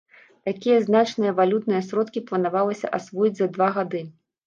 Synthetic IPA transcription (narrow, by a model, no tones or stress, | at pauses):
t̪akʲijɐznat͡ʂnɨjɐvalʲut̪̚nɨjɐsɾɔt̪kʲiplˠɐnavalˠɐsʲɐ̰ʔasvɔjid͡zʲzɐd̪vaɣad̪ɨ